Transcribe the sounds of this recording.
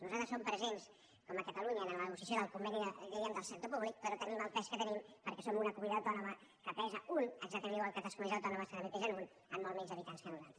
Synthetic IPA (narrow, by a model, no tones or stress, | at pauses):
nuzat̪ɾəsompɾəzens | kɔməkət̪əluɲəːnəlnəɣusiəs̬joðəlˠkumbɛniðɛiəmd̪əlˠsək̚t̪opuβlik̚pəɾɔt̪əniməlˠp̪ɛskət̪ənimpəɾkɛsomunəkumiðəwt̪ɔnumə | kəpɛzəunəɡzak̚t̪əmeniwalˠkət̪əskulizəwt̪ɔnuməskəðəmət̪eʒənun | əmːolˠmɛɲzəβit̪anskənuzal